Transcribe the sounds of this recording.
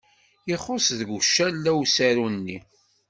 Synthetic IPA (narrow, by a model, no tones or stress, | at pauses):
iχosðɡuʃːælːæwsæɾunːi